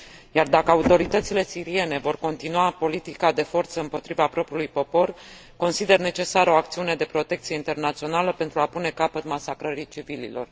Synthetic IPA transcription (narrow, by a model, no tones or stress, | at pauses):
jard̪akəaut̪o̞ɾit̪ət̪sile̞siɾie̞ne̞vo̞rko̞nt̪inuapo̞lit̪ikad̪e̞fo̞rt̪səɨmpo̞t̪ɾivapɾo̞pɾʲiulujpo̞po̞r | ko̞nsid̪e̞rne̞t͡ʃe̞saɾo̞ak̚t̪siune̞d̪e̞pɾo̞t̪e̞k̚t̪sije̞int̪e̞rnat̪sio̞naləpe̞nt̪ɾuapune̞kapət̪masakɾəɾit͡ʃivilḭlo̞̰r